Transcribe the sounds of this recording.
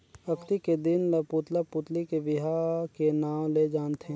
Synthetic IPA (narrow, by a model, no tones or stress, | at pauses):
ɐkt̪iked̪ɪnlɐpuːt̪lapuːt̪likebɪɦakenaːwled͡ʒaːnt̪ʰee